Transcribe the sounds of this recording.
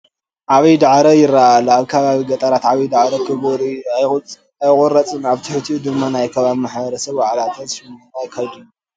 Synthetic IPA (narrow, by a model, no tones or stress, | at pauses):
ʔaβid̪aʕɾɐjɪrːaːloaβkʰɐβaβiɡɐt̪ʼɐɾat̪ʕaβid̪aʕɾɐt̪ʰɨβoɾiaj | ajkʼuɾɐt͡sʼɨnaβt̪ʰɨħɨt̪ʰiʔud̪ɨmːanajkʰɐβaβimaħbɐɾɐsɐβbaʕlat̪ʰɐzfinɐnajɪkʰːɐβd̪ɨn